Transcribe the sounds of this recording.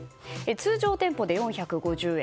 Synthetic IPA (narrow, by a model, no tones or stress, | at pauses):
et͡sɨːʑo̞ːt̪ẽ̞mpo̞d̪e̞jõɰ̃çakɯ̟ɡo̞ʑɨːe